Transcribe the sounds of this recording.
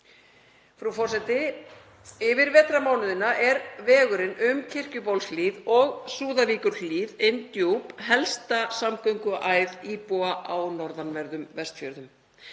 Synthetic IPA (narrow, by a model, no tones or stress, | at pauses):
fɾufɔrs̬ɛt̪ɪ | ɪvɪɾvɛːt̪ɾamaːwnʏðɪnaʔɛɾvɛːɣʏɾɪnʏmcʰɪr̥cʏpowlsliːðɔɣsuːðaviːkʏɾ̥fliːðent̪jowpɦɛlst̪asamkœɥŋkʏʔaːjðiːpoaʔaːwnɔɾðanvɛɾðʏmvɛst̪fjœɾðʏm